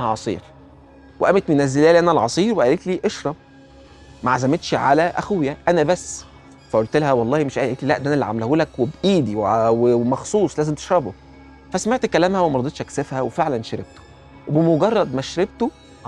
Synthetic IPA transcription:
hʕɑsˤḭːɾ | weʔæmet̪menæzːelæːlʔænælʕɑsˤiːɾweʔæliːt̪liːʔeʃɾˤɑb | mæʕazæmet̪ʃʕalæʔæ̰xuwjæʔænæbæsː | fæʔolt̪elæhæwɑlˤːɑːhimeʃʔæːʔliːt̪liːlæʔd̪ænælːiʕa̰mlhuːlækwebʔiːd̪iwweemɑxsˤuːsˤlæːzemt̪e̥ʃɾˤɑbo | fæsmeʕt̪kːælæːmhæwemæɾˤɑd̪ˤet̪ʃʔæksefhæwefeʕlænʃæɾeb̚t̪o̥ | webemoɡɑrˤːɑd̪mæʃɾebt̪o

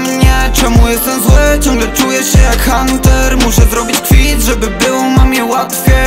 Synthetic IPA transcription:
mɲɛt͡ʂɛmujɛst̪ɛmzwɛt͡ɕɔ̃ŋɡlɛt͡ʂujɛɕɛjakxant̪ɛɾmuɕɛzɾɔbʲit͡ɕkfʲiʐɛbɘbɘwmamʲjɛwat̪kʲɛ

